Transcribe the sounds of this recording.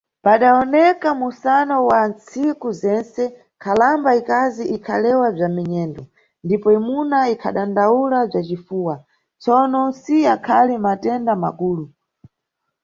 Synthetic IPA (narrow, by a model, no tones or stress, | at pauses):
paɗaɔnɛkamusanɔwant͡sikuzɛnsɛ | kʰalambaikaziʔikʰa̰lɛwab͡ʐamɛɲɛːndɔ | ndipɔimunaikʰa̰ɗandaulab͡ʐat͡ʃifuːwa | t͡sɔnɔsiakʰalimatɛndama̰kuːlu